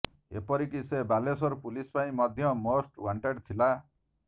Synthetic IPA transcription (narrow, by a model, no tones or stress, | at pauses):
epɔɾikisebalesɔɾpulispaĩmɔd̪ʱjɔmosʈwaɳʈeɖt̪ʰila